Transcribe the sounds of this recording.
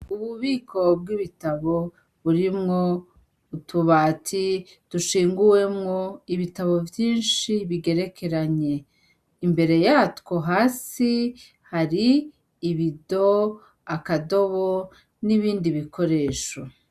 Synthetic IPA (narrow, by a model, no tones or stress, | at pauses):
uβuβiːkʰo̞bɡiβitaβo̞ | βuɾimŋo | utʰuβaːtʰi | d̥uʃiːŋɡuwe̞mŋoiβitaβo̞vjiːnʃiβiɡe̞ɾe̞kʰe̞ɾaɲe̞ | imbe̞ɾe̞jaːtkwo̞ɦaːsi | haɾiː | βido̞ | akado̞βo | niβiːndiβikʰo̞ɾe̞ːʃo